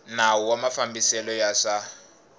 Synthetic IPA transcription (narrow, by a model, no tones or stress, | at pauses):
nauwamafambisɛlɔjaʂa